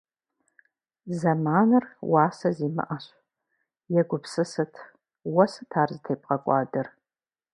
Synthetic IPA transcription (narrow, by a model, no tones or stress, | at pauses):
zɐmaːnɨrwaːsɐziːmɨ̰ʔaɕ | jɛɡʷʊpsɨsɨtʰ | wɐsɨtʰaːrzɨtʰeːp̚ʼqɐkʷʼɑ̰ːdɨr